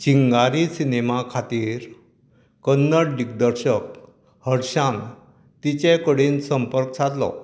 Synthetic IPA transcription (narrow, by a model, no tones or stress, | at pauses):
t͡ɕiŋɡaɾisinemakʰat̪iːɾ | kənːəɽɖik̚d̪əɾɕək̚ | həɽɕãn | t̪it͡ɕẽkəɽiːnsəmpəɾkt͡sʰat̪lɔ̰